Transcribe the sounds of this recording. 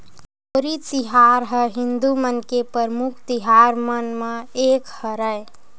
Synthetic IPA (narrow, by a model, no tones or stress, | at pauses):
oɾit͡ʃiɦaɾɦəɦind̪umənkepəɾmukʰt̪iɦaɾmənmeekhəɾəj